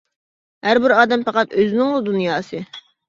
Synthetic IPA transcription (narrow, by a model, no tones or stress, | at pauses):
hæɾbɪɾɑːd̪ɛmpɑqɑt̪øzɪnɪŋlˠud̪unjɑːsɨ